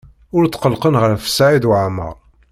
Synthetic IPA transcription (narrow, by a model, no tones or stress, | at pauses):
ʊɾt͡s̪ːqəlqənʁəɾfə̥sʕid̪ʕmə̰ʁ